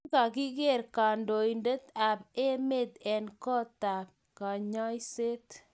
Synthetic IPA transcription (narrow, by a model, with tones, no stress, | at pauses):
ka˨ki˦kɛ˦˨ɾka˨ndo˨jndə˦t̪a˨pe˦me˦˨t̪ɛ˨nkɔ˦ta˨p̚ | ka˨ɲɔ˦jse˦t